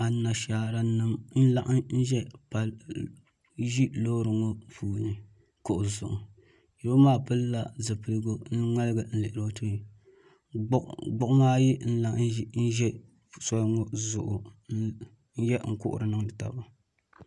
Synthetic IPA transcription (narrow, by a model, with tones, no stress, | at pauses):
a˨na˨ʃaː˨ɾa˦nɨ˦mn̩˦la˦ʔn̩˦ʒɛ˦pa˨l | ʒi˦loː˦ɾɨ˨ŋo˦fuː˦˨nɨ˨ | kʊ˨ʔʊ˨zʊ̰˨ʔʊ˨ | ji˨˦bo˦maː˦pɨ˦lːa˦zɨ˨pɨ˨lɨ˦ɡo˦n˦ŋa˦lɨ˦ɡɨ˨n̩˦lɨ˨ʔɪ˨ɾo˦to˦ɲi˨˦ | ɡ͡bʊ˦ʔmaː˦ji˦n̩˦la˨ʔn̩˦ʒɛ˦ | sɔ˦ŋɔ˦zʊ˨ʔʊ˨˦ | n̩˦jɛ˦ŋ̩˦kʊ̰˦ʔʊ̰˨ɾɨ˨nɨ˦ŋdɨ˨ta̰˨ba˨